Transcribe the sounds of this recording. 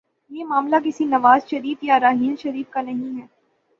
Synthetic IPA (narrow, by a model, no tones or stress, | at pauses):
jeːmaːmlak̬ɪsinɐʋaːzʃɐɾiːfjaɾaːɦiːlʃɐɾiːfkanɐɦĩɦɛː